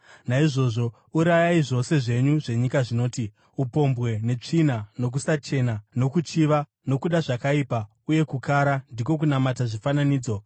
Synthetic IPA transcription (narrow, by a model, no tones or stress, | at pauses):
naiʐo̞ʐo̞ | uɾajaiʐo̞se̞ʐe̞ɲuʐe̞ɲikaʐino̞ːti | upo̞mbwe̞ne̞t͡ʂinano̞k̬usat͡ʃe̞nano̞kut͡ʃiʋa | no̞kuɗaʐakaipa | uje̞kukʰaːɾandiko̞k̬unamataʐifananiːd͡zo̞